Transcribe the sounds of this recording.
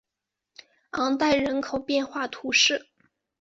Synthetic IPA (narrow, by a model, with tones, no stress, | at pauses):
ɑ˧˥ŋt̪a˥˩ɪɻə˧˥nkʰo˨˩ʊpjɛ˥˧nxwa˥˩t̪ʰu˧˥ʂɻ̩˥˩